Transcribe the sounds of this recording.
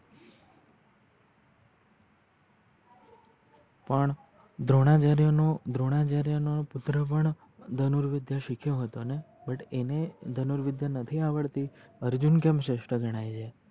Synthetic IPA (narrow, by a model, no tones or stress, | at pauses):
pəɳ | d̪ʱɾoɽ̃at͡ʃaɾjonod̪ʱɾoɽ̃at͡ʃaɾjənopʊt̪ɾəpəɳ | d̪ʱənuɾʋɪd̪jaʃikʰjoɦət̪one | bəʈened̪ʱənuɾʋɪd̪janət̪ʰiaʋəɭt̪iəɾd͡ʒunkemʃeʃʈəɡʱəɽ̃ajd͡ʒʰe